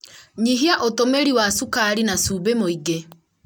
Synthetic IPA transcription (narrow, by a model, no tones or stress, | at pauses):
ɲiɦiaʔotomeɾiwasukaɾinasubemoiɡe